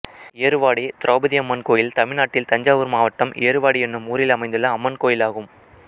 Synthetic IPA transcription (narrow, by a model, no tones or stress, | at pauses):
eɐɾɯʋaːɽit̪ɪɾʔoːbɐðɪɐmːɐnkoːjɪlt̪ɐmɪɾnaːʈːɪlt̪ɐɲd͡ʒaːʋɯɾmaːʋɐʈːɐmʔɪ̰ːɐɾɯʋaːɽiɛnːɯmuːɾɪlɐmɐɪnd̪ɯlɐːmːɐnkoːjɪlaːɣɯm